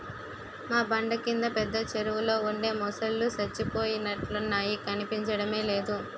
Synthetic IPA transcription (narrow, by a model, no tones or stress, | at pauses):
maːbɐɳɖɐkind̪ɐpɛd̪ːɐt͡ʃeɾuwulo̞ːuɳɖe̞ːmɔsɐlːusɐt͡ʃːipo̞ːjinɐʈlɐnaːjikɐnipiɲt͡ʃɐɽɐme̞ːle̞ːd̪u